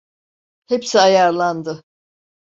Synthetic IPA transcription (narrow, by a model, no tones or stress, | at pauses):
hepsiajaɾlˠand̪ɯ